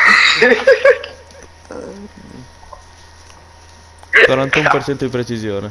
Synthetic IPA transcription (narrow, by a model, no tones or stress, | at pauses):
kwaɾant̪aumpert͡ʃɛnt̪od̪ipɾet͡ʃizjoːne